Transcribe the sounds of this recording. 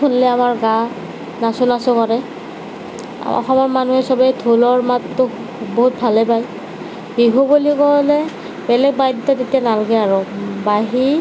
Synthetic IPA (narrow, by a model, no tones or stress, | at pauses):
unlɛamaɹɡa | nasʊnasɔkaɹɛ | ɔ̰xɔmɔɹmanuɦɛsɔbɛtʰulɔɹmatːʊ | boɦut̚bʱalɛpaj | biɦubulikɔlɛ | bɛlɛɡ̚bajditɔtetijanalaɡɛaɹɔbaɦi